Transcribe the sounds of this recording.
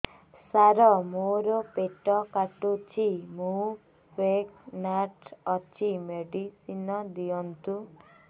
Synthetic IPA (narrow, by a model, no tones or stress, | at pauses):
saɾɔmoɾɔpeʈɔkaʈut͡ʃʰimũ | peknaʈɔt͡ʃʰimeɖisinɔd̪ijɔnt̪u